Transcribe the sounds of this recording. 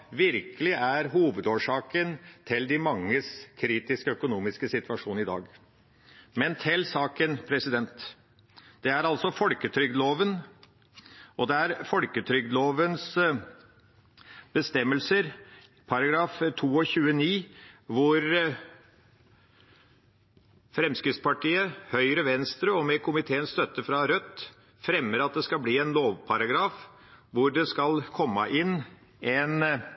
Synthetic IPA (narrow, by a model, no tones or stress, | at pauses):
ʋɪɾkəlɪʔæɾɦuːʋəd̪oːʂɑːkənt̪ʰɪld̪ɪmɑŋːəskʰɾiːt̪ɪskəœkʊnuːmɪskəsɪt̪ʋɑʂuːnɪd̪ɑ̰ːɡ | mɛnt̪ʰɪlsɑːkənpʰɾɛsɪd̪ɛnt̪ | d̪̥ɛæɾɑlsɔfɔlkət̪ʰɾʏɡd̪loːʋən | ʔɔd̪ɛæɾfɔlkət̪ʰɾʏɡ̚d̪loːʋəns | b̥əst̪ɛmːəlsəɾ | pʰɑɾɑɡɾɑːft̪ʰuːɔçʉːəniːʋʊɾ | fɾɛmskɾɪt̪spɑʈʰiːəhœʏɾəʋɛnst̪ɾəɔmɛkʰʊmɪt̪ʰeːənst̪œt̪ːəfɾɑɾœt̪ː | fɾɛmːəɾɑt̪̚d̪ɛskɑlbliːɛnloːʋpʰɑɾɑɡɾɑːf | ʋʊɖɛskɑlkʰɔmːə̰ʔɪn | ɛn